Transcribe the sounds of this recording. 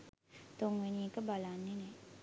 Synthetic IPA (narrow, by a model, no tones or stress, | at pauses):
t̪oŋʋenikəbalanːenɛ